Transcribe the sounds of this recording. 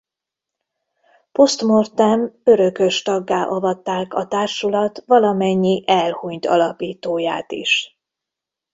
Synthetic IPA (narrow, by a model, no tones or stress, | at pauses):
po̞st̪mort̪ɛmø̞ɾø̞kø̞ʃt̪ɒɡːaːʔɒvɒt̪ːaːkɒt̪aːrʃulɒt̪ʋɒlɒmɛɲːiʔɛlhuɲt̪ɒ̰lɒpiːt̪oːjaːt̪ḭʃ